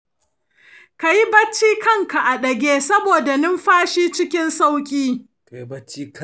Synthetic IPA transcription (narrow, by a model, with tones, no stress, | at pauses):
ka˨ji˦bɐ˦t͡ʃːiː˦kɐ˦˨ŋka˨ʔa˨ɗɐ˨ɡʲeː˦sɐ˦boː˨da˨nɪ˦mɸaː˦ʃiː˦t͡ʃɪ˦kʲɪ˦nsa˦wkʲʼiː˦ | ka˨ji˦bɐ˦t͡ʃːiː˦k